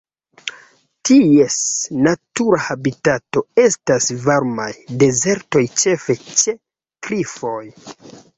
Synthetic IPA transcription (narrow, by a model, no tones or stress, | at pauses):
tie̞snatuɾahabitato̞e̞stasvaɾmajde̞ze̞ɾto̞jt͡ʃe̞fe̞t͡ʃe̞ | kɾifo̞j